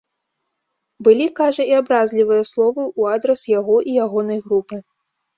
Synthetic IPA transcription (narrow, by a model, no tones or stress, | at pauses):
bɨlʲikaʐɐiabɾazʲlʲivɨjɐslˠɔvɨʔuad̪ɾɐsjaɣɔʔijaɣɔnɐjɣɾupɨ